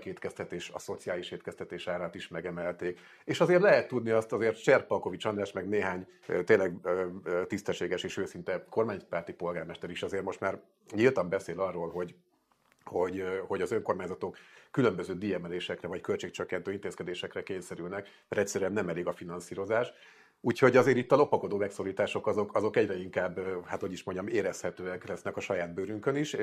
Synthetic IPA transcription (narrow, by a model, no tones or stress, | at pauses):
keːt̪kɛst̪ɛt̪eːʃɒ̰so̞t̪sijaːliʃeːt̪kɛst̪ɛt̪eːʃaːɾaːt̪iʃmɛɡɛmɛlt̪eːk | eːʃɒzeːrt̪lɛɦɛt̪ːud̪niɒst̪ɒzeːrt̪t͡ʃɛrpɒlko̞vit͡ʃɒnlaːʃmɛɡneːɦaːɲːt̪eːnlɛɡ | t̪ist̪ɛʃːeːɡɛʃeːʃøːsint̪ɛko̞rmaːɲpaːrt̪ipo̞lɡaːrmɛʃt̪ɛɾiʃɒzeːrmo̞ʃt̪maːr | ɲilt̪ɒmbɛseːlɒrːoːlɦo̞ɟ | ho̞ɟho̞ɟɒzø̞ŋko̞rmaːɲzɒt̪o̞kːylø̞mbøzøːd̪iːɛmɛleːʃɛkrɛvɒckø̞lt͡ʃeːk̚t͡ʃøkːɛnt̪øːint̪eːskɛd̪eːʃɛkrɛkeːɲsɛɾylnɛk | ɛɾɛct̪sːɛɾyɛnnɛmɛleːɡɒfinɒnsiːɾo̞zaːʃ | uːcho̞ɟɒzeːɾit̪ːɒlo̞pɒko̞d̪oːmɛksoːɾiːt̪aːʃo̞kɒzo̞kɒzo̞kɛɟrɛiŋkaːbːhaːt̪hoɟiʃmoɲɟɒmeːɾɛshɛt̪øːɛklɛsnɛkɒʃɒjaːd̪̚bøːɾyŋkøniʃ